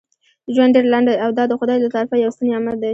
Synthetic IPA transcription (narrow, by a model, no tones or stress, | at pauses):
ʒwanɖeɾlaɳɖaawd̪ɑd̪əxʊd̪ɑjlat̪ɑɾɪfajawast̪uneamald̪aj